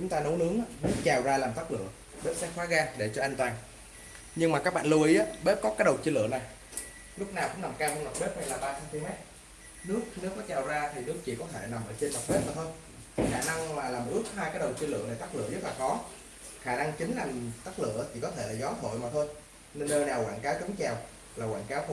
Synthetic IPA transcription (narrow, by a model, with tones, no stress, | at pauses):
t͡ɕʊ˨˦ŋ͡mt̪aː˧no˨˦nɨ˨˦əŋʔaː˨˦nɨ˦˥ək̚t͡ɕaː˨˩wzaː˧laː˨˩mt̪aː˦˥k̚lɨ̰˧˨ə | ɓe˧˦˥t̚sɛ̰˧˥xwaː˨˦ɣaː˧ɗe˧˩t͡ɕɔ˧ʔa˧ŋ̟t̪waː˧ŋ | ɲɨ˧ŋmaː˨˩kaː˦˥k̚ɓa̰ː˧˨nlu˧˩ə˨˦ʔaː˨˦ɓe˦˥p̚kɔ˨˦kaː˨˦jɗə˨˩wt͡ɕi˧lɨ̰˧˨əna˨˩j | lʊ˦˥k͡p̚naː˨˩wkʊ̰˧˥ŋ͡mna˨˩mkaː˧wmɔ˧ma˨˩ɓe˦˥p̚hjlaː˨˩ɓaː˧t͡ɕa˧nfi˧mɛ˦˥t̚ | nɨ˦˥ək̚ne˨˦wkːɔ˨˦t͡ɕaː˨˩wzaː˧t̪ʰi˨˩nɨ˦˥ək̚t͡ɕḭ˧˨kɔ˨˦t̪ʰe˧˩na˨˩mʔəː˧˩t͡ɕe˧nma˨˩t̚ɓe˦˥t̚maː˨˩t̪o˧j | xaː˧˩na˧ŋmaː˨˩laː˨˩mʔɨ˦˥ək̚haː˧jkaː˨˦jɗə˨˩wt͡ɕi˧lɨ̰˧˨ən˨˩jt̪aː˦˥k̚lɨ̰˧˨əzə˦˥t̚laː˨˩kɔ˨˦ | xaː˧˩na˧ŋt͡ɕï˨˦ŋ̟laː˨˩mt̪aː˦˥k̚lɨ̰˧˨ət͡ɕʰi˧˩kɔ˨˦t̪ʰe˧˩˨zɔ˨˦t̪ʰo̰˧˨jmaː˨˩t̪ʰo˧j | ne˧nːəː˧naː˨˩wkwaː˧˨nkaː˨˦wkə˨˦ŋt͡ɕa˨˩w | laː˨˩waː˧˨nkaː˨˦wt̪